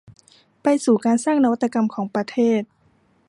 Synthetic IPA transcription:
pa˧jsuː˨˩kaː˧nsaː˥˩ŋna˧wa˦˥t̪ːa˧ka˧mkʰɔː˩˦ŋpɾa˧t̪ʰeː˥˩t̪̚

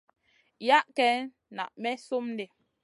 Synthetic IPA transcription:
ja˦ʔkɛ˨˦n | na̰˨ʔmɛ˦so˦mn˦de˨

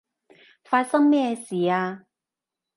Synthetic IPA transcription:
fa˧sɐ˥ŋmɛ˥˧si˨a˧

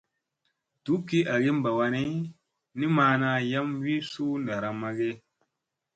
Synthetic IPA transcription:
tu˨˦ki˦a˨ɡe˦m˦ba˨wa˧ni˦ | ni˦maː˧˦na˧ja˦mwi˦su˦n˨da˨ɾa˨ma˨ɡe˦

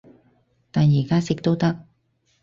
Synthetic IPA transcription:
t̪a˨˩jjiː˨˩kaː˦˥sɪi˨k̚t̪o˥wt̪ɐ˥k̚

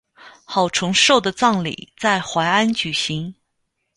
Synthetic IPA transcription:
xɑ˨˩ʊʈ͡ʂʰʊ˧˥ŋʂo˥˩ʊd̪ə˩t͡sɑ˥˩ŋlḭ˨˩˦t͡sa˥˩ɪxwa˧˥ɪa˥nt͡ɕy˨˩ɕi˧˥ŋ

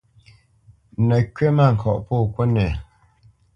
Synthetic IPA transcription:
nə˨kɥɛ˦ma˦˨ŋ̩˨kʰɔ˨ʔpo˦˨kwə˦nɛ˨

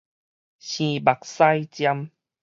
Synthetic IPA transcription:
ɕĩ˨˩ba˨˩k̚sa˦jt͡ɕja˧m

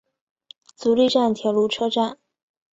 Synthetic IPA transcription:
t͡su˧˥li˥˧ʈ͡ʂa˥˩nt̪ʰjɑ˧˥lu˧˥ʈ͡ʂʰɤ˥ʈ͡ʂa˥˩n

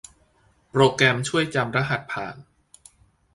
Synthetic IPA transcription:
pɾoː˧kɾɛː˧mt͡ɕʰu˥˩əjt͡ɕa˧mɾa˦˥ɦa˨˩t̪̚pʰa̰ː˨˩n

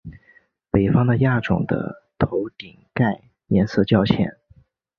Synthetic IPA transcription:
pe˨˩ɪfɑ˥ŋd̪ə˨ja˥˩ʈ͡ʂʊ̰˨˩ŋd̪ə̰˦t̪ʰo˧˥ʊt̪i˨˩ŋka˥˩ɪ | jɛ˧˥nsɤ˥˧t͡ɕjɑ˥˧ʊt͡ɕʰjɛ̰˥˩˦n

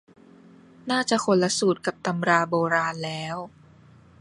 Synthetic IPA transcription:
naː˥˩t͡ɕa˨˩kʰo˧˦nla˧˥suː˨˩t̪̚ka˨˩p̚t̪a˧mɾaː˧boː˧ɾaː˧nlɛː˦˥w

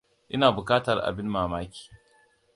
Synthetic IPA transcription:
ʔɪ˦naː˨bʊ˨kaː˦tɐ˨rʔa̰˨bɪ˦nːaː˨maː˦kʲi̥ː˨

